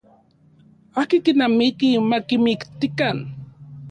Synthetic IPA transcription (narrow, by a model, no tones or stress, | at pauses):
akikinamikimakimikt̪ikan